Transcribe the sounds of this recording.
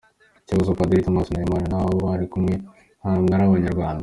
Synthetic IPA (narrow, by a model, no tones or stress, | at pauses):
ciβazopad̪ɾit̪omasnaimaɾanaβoβoβaɾikumŋe | hamŋaɾaβaɲaɾɡwaːnd̪a